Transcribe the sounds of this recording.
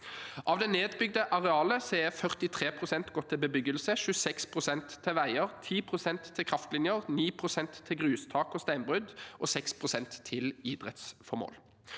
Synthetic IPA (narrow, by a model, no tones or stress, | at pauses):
ʔɑʋd̪ɛneːd̪bʏɡd̪əʔɑʁɛɑːləsɔɛfœʁt̪ɪt̪ʰʁeːpʰʁʊsɛnt̪ɡɔt̪ʰːɪlbəbʏɡəlsəʃʉsɛkspʰʁʊsɛnt̪ʰːɪlʋæɪəʁt̪ʰiːpʰʁʊsɛnt̪ʰːɪlkʰʁɑft̪lɪnjəʁniːpʰʁʊsɛnt̪ʰːɪlɡʁʉːst̪ʰɑːkɔst̪æɪnbʁʉd̪ʔɔsɛkspʰʁʊsɛnt̪ʰːɪlid̪ʁɛt̪sfɔmo̰ːl